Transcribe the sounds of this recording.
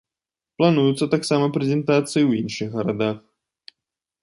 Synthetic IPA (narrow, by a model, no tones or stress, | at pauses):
plˠanujut̪sːɐt̪aksamɐpɾʲɛzʲɛnt̪at̪sɨjiwjinʂɨɣɣɐɾad̪ax